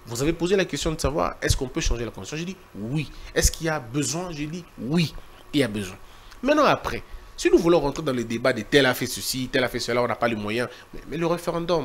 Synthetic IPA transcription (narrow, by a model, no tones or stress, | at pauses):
vuzavepozelakʲɛst̪jɔ̃d̪əsavwa̰ʁɛ̰skɔ̃pøʃɑ̃ʒelakɔ̃d̪isjɔ̃ʒed̪iwiɛskilabəzwɛ̃ʒed̪iwi | ilabəzwɛ̃ | mɛ̃nɑ̃apχɛsinuvulɔ̃ʁɑ̃t̪χed̪ɑ̃ləd̪ebad̪et̪ɛlafɛsəsit̪ɛlafɛsəlaɔ̃napaləmwajɛ̃ | mɛ̰mɛləʁefeʁɑ̃d̪ɔm